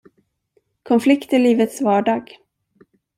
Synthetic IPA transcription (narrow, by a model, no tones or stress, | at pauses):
kʰɔnflɪkt̪əɭiːvət̪svɑːɖɑːɡ